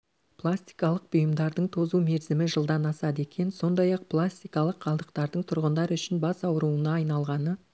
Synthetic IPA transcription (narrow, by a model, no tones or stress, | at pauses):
pʰlˠasʲt̪i̥jkɑlˠəq̚bʊjəmd̪ɑɾd̪əɴt̪ʰozume̞ɾzɪmɪʒəlˠd̪ɑnɑsɑd̪e̞kʲe̞nso̞nd̪ɑjɑq̚plˠasʲt̪ijkɑlˠəqʰːɑlˠd̪əqt̪ɑɾd̪əɴt̪ʰʊɾʁənd̪ɑɾəʏʃɪnbɑsɑwəɾuənɑːjnɑlˠʁɑnə